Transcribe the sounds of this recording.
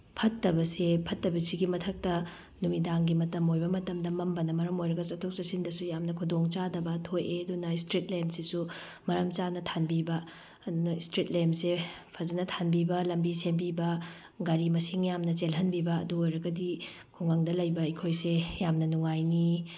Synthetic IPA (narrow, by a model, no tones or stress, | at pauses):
pʰɐtːɐbɐsepʰɐtːɐbɐsiɡimɐtʰɐk̚tɐ | numidaŋɡimɐtɐmojbɐmɐtɐmdɐmɐmbɐnɐmɐɾɐmojɾɐɡɐsɐtʰok̚sɐsindɐsujamnɐkʰudoŋt͡ʃadɐbɐtʰojeɐdunɐistɾit̚lemsisu | mɐɾɐmt͡ʃanɐtʰanbibɐː | dunɐistɾit̚lemsepʰɐzɐnɐtʰanbibɐlɐmbisembibɐ | ɡaɾimɐsiŋjamnɐt͡ʃelɦɐnbibɐ̰ːduojɾɐɡɐdi | kʰuŋaŋdɐlɐjbɐɐkʰojsejamnɐnuŋajni